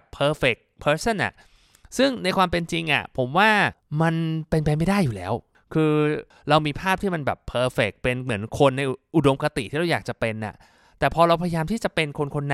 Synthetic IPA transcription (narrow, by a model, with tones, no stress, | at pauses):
pʰːɤː˧fe˨˩k̚pʰɤː˦˥sa˥˩nʔa̰˨˩ʔ | sɯ˥˩ŋna˧jkwaː˧mpe˧nt͡ɕi˧ŋʔa̰˨˩pʰo˩˦mwaː˥˩ma˧npe˧npaː˧ma˥˩jdaː˥˩jːuː˨˩lɛ̰ː˦˥w | kʰɯː˧ | ɾa˧wmiː˧pʰaː˥˩p̚t̪ʰiː˥˩ma˧nbɛ̰ː˨˩pʰːɤː˧fe˨˩k̚pe˧nmɯ˩˦ənkʰo˧nːa˧jʔu˨˩do˧mka˧t̪i˨iː˥˩ɾa˧wjaː˨˩k̚t͡ɕa˨˩pe˧nʔa̰˨˩ | t̪ɛː˨˩pʰɔː˧ɾa˧wpʰa˧ja˧jaː˧mt̪ʰiː˥˩t͡ɕa˨˩pe˧nkʰo˧nkʰo˧nːa˧